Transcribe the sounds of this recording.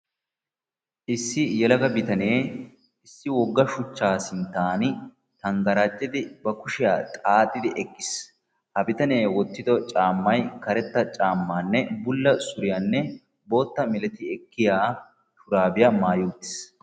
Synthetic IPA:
ʔɪsːɪjɛlɐɡɐbɪt̪ɐne̞ː | ɪsːɪwɔɡːɐʃʊt͡ʃːaːsɪnt̪aːn | t̪ɐŋɡɐɾaːt͡ʃʼːɪd̪ɪbɐkʊʃɪjaːt̪ʼaːt̪ʼːɪd̪ɪʔɛkːɪ̥s | hɐbɪt̪ɐneːwɔt̪ːɪd̪ɔt͡ʃʼaːmːɐjkɐɾɛt̪ːɐt͡ʃʼaːmːaːnːɛbʊlːɐsʊɾɪjanːɛ | bo̞ːt̪ːɐmɪlɛt̪ɪɛkːɪjaː | t̪ʊɾaːbɪjɐmaːjuːt̪ːɪ̥s

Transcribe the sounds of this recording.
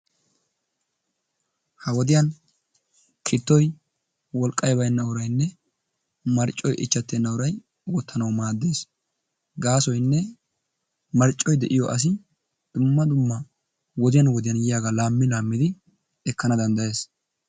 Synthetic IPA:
hɐwɔd̪ɪjɐn | kʰɪt̪ːɔj | wɔlkʼːɐjbɐjnːɐwʊɾɐjnːɛ | mɐɾt͡ʃʼːɔjʔɪt͡ʃːɐt̪ːɛnːɐwʊɾɐj | wɔt̪ːɐnɐwmaːd̪ːe̞ːs | ɡaːsɔjnːɛ | mɐɾt͡ʃʼːɔjd̪ɛʔɪjɔʔɐs̬ɪ | d̪̥ʊmːɐd̪ʊmːɐ | wɔd̪ɪjɐnwɔd̪ɪjɐnjɪjaːɡalaːmːɪlaːmːɪd̪ɪ | ɛkːɐnɐd̪ɐnd̪ɐje̞ːs

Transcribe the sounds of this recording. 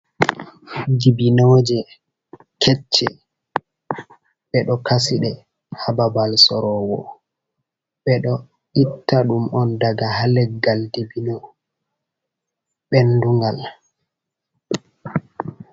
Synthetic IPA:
dibinod͡ʒɛ | kʰɛt͡ʃːɛ | ɓɛɗɔkasiɗɛ | hababalsɔɾɔwɔ̰ | ɓɛɗɔ | ʔitːaɗumʔɔndaɡahalɛɡːaldibino | ɓɛnduŋɡal

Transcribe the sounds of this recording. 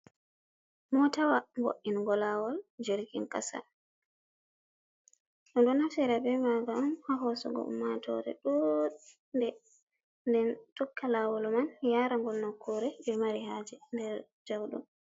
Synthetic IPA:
mɔtawambo̰ʔːinɡɔlawɔld͡ʒeɾɡinka̰sa̰ | ʔɔnɗunafɛɾabɛmaɡamhaɦɔsɔ̰ɡɔ̰ʔṵmːatʰɔ̰ɾɛ̰ɗɔ | ndɛ | ndɛntɔkʰːalawɔlmanjaːɾaŋɡɔlnɔkʰːuɾɛbɛmaɾihad͡ʒɛndɛɾ | d͡ʒawɗɔ̰m

